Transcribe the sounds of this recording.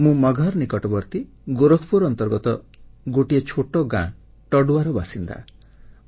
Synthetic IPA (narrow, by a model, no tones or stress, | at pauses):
mũmɔɡʱɔɾnikɔʈɔbɔɾt̪i | ɡoɾɔkʰpuɾɔnt̪ɔɾɡɔt̪ɔɡoʈiet͡ʃʰoʈɔɡã̰ | ʈɔɖuaɾɔbasind̪a̰